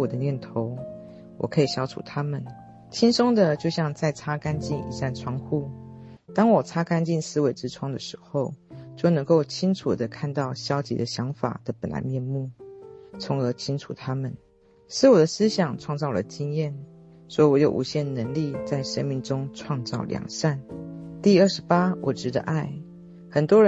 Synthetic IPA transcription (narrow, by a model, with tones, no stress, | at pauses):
wɔ˨˩d̪ə˦njɛ˥˩nt̪ʰo˧˥˦ʊ | wɔ̰˨˩kʰɤ˧˥i˨˩ɕjɑ˥ʊʈ͡ʂʰṵ˨˩t̪ʰa˥mə˨n | t͡ɕʰi˥nso˥ŋd̪ə˨t͡ɕjo˥˧ʊɕjɑ˥˧ŋt͡sa˥˩ɪt͡sʰa˥ka˥nt͡ɕi˥˩nḭ˨˩sa˥˩nʈ͡ʂʰwɑ˥ŋxu˥˩ | t̪ɑ˥ŋwɔ˨˩t͡sʰa˥ka˥nt͡ɕi˥˩nsɹ̩˥we˧˥ɪʈ͡ʂɻ̩˥ʈ͡ʂʰwɑ˥˩ŋd̪ə˨˩ʂɻ̩˧˥xo˥˧ʊt͡ɕjo˥˩ʊnɤ˧˥ŋko˥˩ʊt͡ɕʰi˥ŋʈ͡ʂʰu˨˩d̪ə˦kʰa˥˧nt̪ɑ˥˩ʊɕjɑ˥ʊt͡ɕḭ˧˥d̪ə˧ɕjɑ˧˦˥ŋfa̰˨˩d̪̥ə˦pə˨˩nla̰˧ɪmjɛ˥˧nmu˥˩t͡sʰʊ˧˥ŋə˧˥t͡ɕʰi˥ŋʈ͡ʂʰu˨˩t̪ʰa˥mə˨n | ʂɻ̩˥˩wɔ˨˩d̪ə˦sɹ̩˥ɕjɑ˨˩ŋʈ͡ʂʰwɑ˥˧ŋt͡sɑ˥˩lə˨˩t͡ɕi˥ŋjɛ˥˩n | swɔ˧˥i˨˩wɔ˧˥jo˨˩ʊʔṵ˧˥ɕjɛ˥˩nd̪ə˩nə˧˥ŋli˥˧t͡sa˥˩ɪʂə˥nmi˥˩ŋʈ͡ʂʊ˥ŋʈ͡ʂʰwɑ˥˧ŋt͡sɑ̰˥˩ʊljɑ̰˨˩ŋsa˥˩nt̪i˥˧˨ə˥˩ʂɻ̩˧˥pa˥wʔɔ˨˩ʈ͡ʂɻ̩˧˥d̪ə̰˧˦ʔa˥˩ɪ | xə˨˩nt̪wɔ˥ə˧